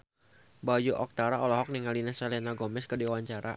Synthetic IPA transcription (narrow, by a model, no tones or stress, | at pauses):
bad͡ʒuʔɔk̚t̪aɾaɔlɔɦɔk̚niŋalinasalɛnaɡɔmɛskədiwaɲt͡ʃaɾa̰